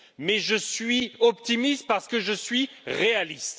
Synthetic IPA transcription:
mɛʒəsɥiɔpt̪imist̪̚paʁsə̥kəʒəsɥiʁealist̪

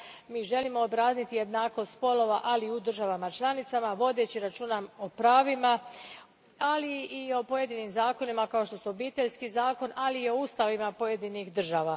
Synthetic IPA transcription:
miːʒe̞limo̞ːbɾaːznit̪ije̞d̪naːko̞st̪po̞lo̞ʋaʔaliud̪r̩ʒaʋamat͡ʃlˠanit̪samaʋo̞d̪e̞t͡ɕiɾat͡ʃuːnamo̞pɾaːʋima | aliio̞po̞je̞d̪inimzaːko̞nimakao̞ʃt̪o̞suobiːt̪e̞ʎskizaːko̞naliːo̞uːst̪aʋimapo̞je̞d̪inixd̪r̩ʒaːʋa

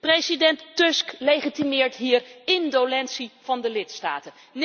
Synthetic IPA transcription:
prejsidɛntːøsklejχitimɪːɹtɦiːrɪndolɛntsiv̥ɑndəlɪtsta̰ːtən | n

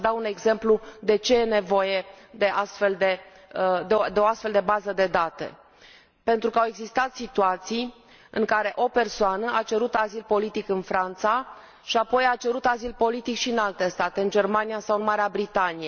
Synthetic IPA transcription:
d̪aune̞ɡze̞mplud̪e̞t͡ʃe̞jene̞vo̞je̞ | d̪e̞ʔast̪fe̞ld̪e̞ | d̪ed̪eoast̪fe̞ld̪e̞bazəd̪e̞d̪at̪ḛ | pe̞nt̪ɾukəawe̞ɡzist̪at̪sit̪uat̪sij | ɨŋkaɾe̞ʔo̞pe̞rsoanəʔat͡ʃe̞ɾut̪azilpo̞lit̪ikɨnfɾant̪sa | ʃiapo̞jat͡ʃe̞ɾut̪azilpo̞lit̪ikʃiɨnalt̪e̞st̪at̪eɨnd͡ʒe̞rmanijasawɨnmaɾeabɾit̪anije

